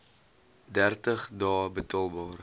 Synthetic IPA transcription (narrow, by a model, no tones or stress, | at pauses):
dærtəχdɑːbətɑlˠbɑːr